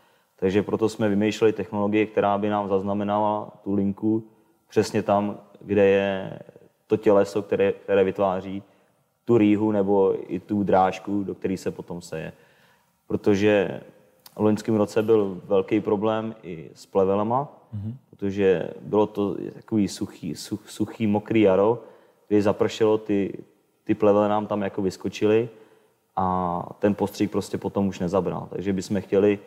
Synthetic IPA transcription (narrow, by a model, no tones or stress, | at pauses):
t̪aɡʒɛpɾo̞t̪o̞smɛvɪmɛjʃlɛlɪt̪ɛxno̞loɡɪjɪk̚t̪ɛɾaːbɪnaːmzaznamɛnalat̪ulɪŋku | pr̥ɛsɲɛt̪amɡdɛjɛ | t̪o̞cɛlɛsok̚t̪ɛɾɛk̚t̪ɛɾɛːvɪt̪vaːr̝iː | t̪uɾiːɦunɛbo̞ɪ̰t̪ud̪ɾaːʃkudok̚t̪ɛɾiːsɛpo̞t̪o̞msɛjɛ̰ | pɾot̪oʒɛ | lo̞ɲskɪmɾot͡sɛbɪlvɛlkɛjpɾo̞blɛːmʔɪ̰splɛvɛlama | pɾot̪oʒɛ̰bɪlo̞t̪o̰t̪ḁkoviːsuxiːsusuxiːmokɾiːjaɾo̞ | k̚t̪ɛɾiːzapr̩ʃɛlot̪ɪ | t̪ɪplɛvɛlɛnaːmt̪amjakovɪskot͡ʃɪlɪ | ʔat̪ɛnpost̪r̥ik̚pɾoscɛpo̞t̪o̞muʃnɛzabɾa̰lt̪a̰ɡʒɛbɪsmɛxcɛlɪ